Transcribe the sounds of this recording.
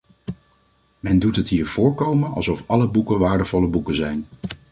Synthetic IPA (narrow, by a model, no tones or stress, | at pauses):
mɛndutɦətɦiːɹv̥ʊːɹkowmənɑlˠsɔfɑləbukənʋaːɹdəvɔləbukəzɛjn